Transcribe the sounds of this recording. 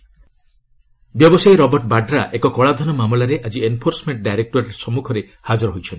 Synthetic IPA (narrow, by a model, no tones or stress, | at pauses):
bjɔbɔsajɾɔbɔɾʈbaɖɾaʔekɔkɔɭad̪ʱɔnɔmamlaɾeʔad͡ʒienpʰoɾsɔmeɳʈ̚ɖajɾek̚ʈɔɾɾeɾsɔmukʰɔɾe | had͡ʒɔɾɔɦojt͡ʃʰɔnt̪i